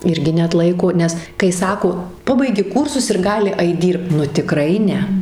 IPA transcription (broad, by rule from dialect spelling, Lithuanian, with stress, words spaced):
ˈɪrʲɡʲɪ nʲɛɐtˈlˠɐɪkoː ˈnʲɛs kɐɪ ˈsɑːkoː ˈpɑːbɐɪɡʲɪ ˈkuːrsʊs ɪr ˈɡɑːlʲɪ ˈɐɪt ˈdʲiːrpt nʊ tʲɪˈkrɐɪ ˈnʲɛ